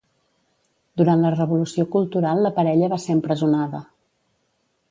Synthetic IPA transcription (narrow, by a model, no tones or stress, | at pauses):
d̪uɾant̪lərəβulusiokulˠt̪uɾalˠːəpəɾɛʎəβaseəmpɾəzunaðə